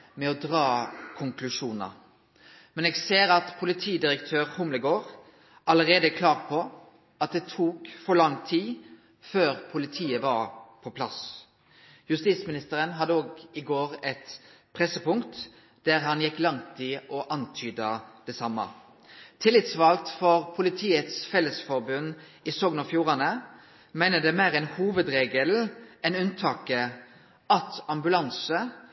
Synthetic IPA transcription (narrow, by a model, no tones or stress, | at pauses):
mɛɔd̪ʁɑːkʰʊŋklʉʂuːnə̰ | mɛnɛːɡseːɾɑt̪pʰʊlɪt̪ʰiːd̪ɪɾəkt̪ʰøːʁhʊmləɡoːʁ | ʔɑləʁeːd̪əkʰlɑːʁpʰɔ | ɑt̪̚d̪ɛt̪ʰuːkfɔɾlɑŋt̪ʰiː | føːʁpʰʊlɪt̪ʰiːəʋɑʁpʰɔpʰlɑs | jʉst̪iːsmɪnɪst̪əɾənɦɑd̪ːəoːɡɪɡoːʁɛt̪pʰʁɛsəpʊŋkt̪ | d̪̥æʁɦɑnjɛkːlɑŋt̪ʰɪʔɔʔɑnt̪ʰyːd̪əd̪̥ɛsɑmːə̰ | t̪ʰɪlːɪt̪sʋɑlt̪fɔʁpʰʊlɪt̪ʰiːət̪sfɛləsfɔʁbʉnː | ɪsɔːɡnɑfjuːʁɑnə | mæɪnəd̪ɛmæːʁɛɪnhuːʋəd̪ɾeːɡəlɛnʉnt̪ʰɑːkə | ʔɑt̪ɑmbʉlɑnsə